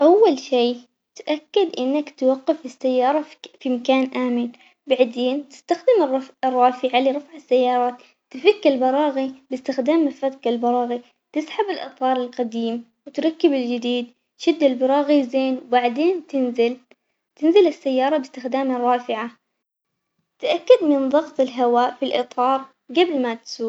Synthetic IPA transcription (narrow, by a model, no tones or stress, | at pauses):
ʔawːalʃiː | t̪ʔakːɪd̪ʔɪnːakt̪waqːɪfɪsːajːɑːɾˤɑfimakaːnʔaːmɪn | baʕd̪eːnt̪ɪ̥st̪axd̪ɪmrˤɑrˤːɑːfɪʕaliɾˤɑfʕɪsːajːɑːɾˤɑːt̪ | t̪ɪfɪkːɪlbɑɾˤɑːɣibɪst̪ɪxd̪aːmːɪfat̪qɪlbɑɾˤɑːɣi | t̪ɪsħabɪlʔɨ̰t̪ˤɑːɾˤɪlqɑd̪iːm | wɪt̪ɾˤɑkːɪbɪld͡ʒɪd̪iːd̪ | t̪ʃɪd̪ːɪlbɑɾˤɑːɣizeːnwbaʕd̪eːnt̪ɪnzl | t̪ɪnzɪlɪsːajːɑːɾˤɑbɪst̪ɪxd̪aːmɨrˤːɑːfɪʕa | t̪aʔakːad̪mɪnðˤɑɣt̪ˤɪlɦawaːʔfilʔɨt̪ˤɑːɾˤ | ɡablmat̪suː